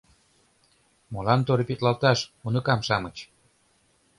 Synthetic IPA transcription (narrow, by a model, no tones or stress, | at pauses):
molɑnt̪oɾepit̪lɑlt̪ɑʃunɤ̆kɑmʃɑmət͡ɕ